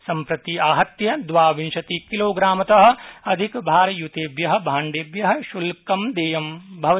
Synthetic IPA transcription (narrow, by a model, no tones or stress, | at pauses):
sɐmpɾɐt̪iaːɦɐt̪jɐd̪ʋaːʋinʃɐt̪ikiloːɡɾaːmɐt̪ɐɦɐ̆ɐd̪ʱikbʱaːɾɐjut̪eːbjɐɦɐ̆bʱaːɳɖeːbjɐɦɐ̆ʃulkɐmd̪eːjɐmbʱɐʋɐ